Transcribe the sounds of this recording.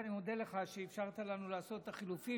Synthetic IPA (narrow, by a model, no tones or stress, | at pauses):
nimod̪eleχaʃeːfʃaʁt̪alanulaːso̞t̪ːaχilufi